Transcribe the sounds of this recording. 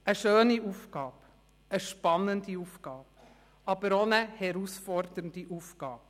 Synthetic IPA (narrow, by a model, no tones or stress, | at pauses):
əʃøːniuːfɡ̥ɑːb | əʃpɑnːəndiuːfɡ̥ɑːp̚ | ɑb̥əɾonəhɛɾusfɔɾdəndiʔufɡ̥ɑːb̚